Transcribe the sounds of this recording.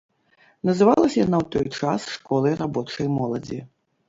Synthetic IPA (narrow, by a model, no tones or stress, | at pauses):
nɐzɨvalˠɐsʲjanawt̪ɔjt͡ʂasʂkɔlˠɐjrabɔt͡ʂɐjmɔlˠɐd͡zʲi